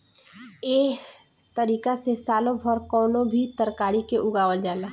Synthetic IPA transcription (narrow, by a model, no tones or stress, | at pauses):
eː | t̪əɾiːkasesaːlõbʱəɾkɔːnõbʱit̪əɾkaːɾikeʔʊɡaːwəld͡ʒaːlaː